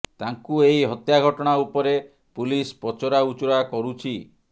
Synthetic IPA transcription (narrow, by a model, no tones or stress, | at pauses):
t̪aŋkuejɦɔt̪jaɡʱɔʈɔɽ̃aupɔɾe | pulispɔt͡ʃɔɾaut͡ʃɔɽakɔɾut͡ʃʰi